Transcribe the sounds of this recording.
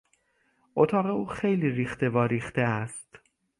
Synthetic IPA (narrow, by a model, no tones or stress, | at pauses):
ʔot̪ʰɒːɣe̞uːxe̞jliːɾiːxt̪e̞vɒːɾiːxt̪eæst̪